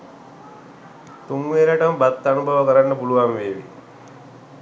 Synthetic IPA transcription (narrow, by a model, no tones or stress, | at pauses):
t̪uŋʋeːɾaʈəmbat̪ːanubʱaʋəkəɾaɳːəbuluʋamʋeːʋḭ